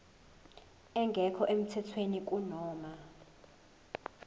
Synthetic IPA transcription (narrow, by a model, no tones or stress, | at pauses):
ɛŋɡʱɛkʰɔʔem̩tʰɛtʰwenik̬ʼunɔːma